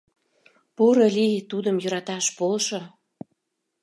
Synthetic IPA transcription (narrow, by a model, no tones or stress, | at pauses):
poɾolʲijet̪ud̪əmjø̆ɾɑt̪ɑʃpolʃo